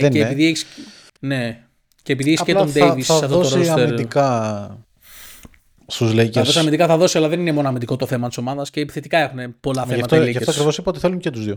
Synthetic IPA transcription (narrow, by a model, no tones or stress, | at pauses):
eːpiðieçi̥s | ne̞ | ceːp̬iðieçisscelnd̪evisssɐft̪ooossɐemid̪ikɐ | st̪uzleceɐðosiɐind̪ikɐθɐðo̞siɐlɐðe̞ninemo̞noɐmind̪iko̞t̪oθe̞mɐt̪i̥so̞mɐðɐsceθet̪ikɐe̞xune̞po̞lɐθθeɐmft̪ɐleɐfet̪oskɾivo̞sipɐot̪i̥θe̞luncet̪uzðjo